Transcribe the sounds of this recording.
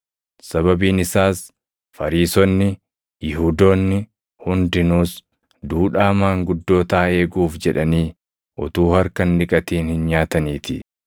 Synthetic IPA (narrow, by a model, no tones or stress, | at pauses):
sɐβɐbiːnɪsaːs | fɐɾiːsɔnːɪ | jɪɦuːd̪oːnːɪ | hʊnd̪ɪnuːs | d̪uːᶑaːmaːŋɡʊd̪ːo̞ːt̪aːe̞ːɡuːfd͡ʒɛᶑɐniː | ʔɔt̪uːhɐɾkɐnːɪkʼɐt̪iːnhɪnɲaːt̪ɐniːt̪ɪ